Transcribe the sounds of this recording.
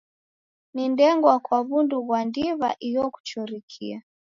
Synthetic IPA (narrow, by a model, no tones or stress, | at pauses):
nindɛŋɡwakwaβunduβwandiβa̰ʔijɔku̥t͡ʃɔɾikʰḭa